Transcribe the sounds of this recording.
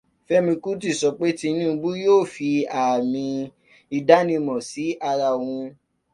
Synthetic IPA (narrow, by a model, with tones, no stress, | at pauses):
fɛ˦mĩ˧ku˦ti˦˨sɔ˨˧k͡pe˦ti˧˦nĩ˦˧bu˦joː˦˨fi˧a˨mĩ˧ | i˧da˨˦nĩ˧mɔ̃˨si˨˦ʔa˧ɾa˧˨wũ˧